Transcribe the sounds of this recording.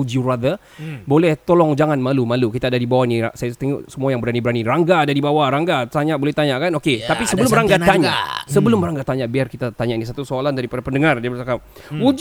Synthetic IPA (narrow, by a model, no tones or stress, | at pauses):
ud͡ʒurad̪ə | bolɛht̪olɔŋd͡ʒaŋanmalumalukit̪aːdadibawaniasajat̪əŋṵʔsəmuajaŋbəɾanibəɾaniraŋɡaːdadibawaɾaŋɡat̪aɲaʔbolɛht̪aɲaʔkanoket̪apisəbəlʊmbəɾaŋɡat̪aɲa̰ʔsəbəlʊmbəɾaŋɡat̪aɲaʔbiarkit̪at̪aɲaʔinĩs̬at̪usoalandaɾipadapəndəŋardiabətaka | ud͡ʒ